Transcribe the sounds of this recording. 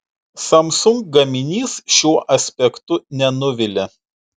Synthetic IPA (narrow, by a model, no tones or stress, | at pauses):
sɐmsʊŋk̚ɡɐmʲɪnʲiːsʃʲuɔʔɐsʲpʲɛkt̪ʊnʲɛnʊʋʲɪlʲɪ